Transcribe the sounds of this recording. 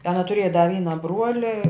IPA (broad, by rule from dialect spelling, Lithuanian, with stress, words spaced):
ˈɑːnɐ tʊˈrʲeːjɛ dɐ ˈʋʲiːnɐ ˈbruɔlʲɪ